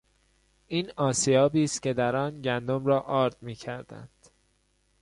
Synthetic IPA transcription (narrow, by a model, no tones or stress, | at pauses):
ʔiːnɒːsijɒːbiːst̪cʲʰe̞d̪æɾɒːnɟænd̪omɾɒːʔɒːɾd̪̥̚miːcʰæɾd̪æ̰nd̪̥